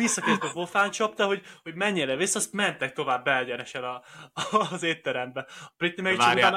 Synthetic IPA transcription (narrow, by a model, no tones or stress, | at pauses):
isːɒkeːzt̪obo̞faːnt͡ʃɒpt̪ɒɦo̞ɟho̞ɟmɛɲːeːlɛvisːɒst̪mɛnt̪ɛk̚t̪o̞vaːbːɛɛɟɛnɛʃɛnɒ | zeːt̪ːɛɾɛmbɛɒprit̪nimɛkian